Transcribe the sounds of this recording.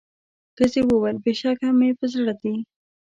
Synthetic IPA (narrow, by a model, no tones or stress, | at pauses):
xəzewəwalbeʃɑkamepəzɽad̪i